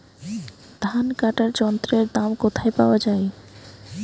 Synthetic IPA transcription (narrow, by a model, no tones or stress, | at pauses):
d̪ʱankaʈaɾd͡ʒɔnt̪ɾeɾd̪amkot̪ʰaepawad͡ʒae